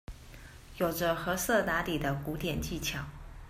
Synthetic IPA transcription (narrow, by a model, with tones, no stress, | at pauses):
jo˨˩ʊʈ͡ʂə˦xɤ˧˥sɤ˥˩t̪a˧˥li˨˩d̪ə˦ku˧˥t̪jɛ˨˩nt͡ɕi˥˩t͡ɕʰjɑ˨˩˦ŋ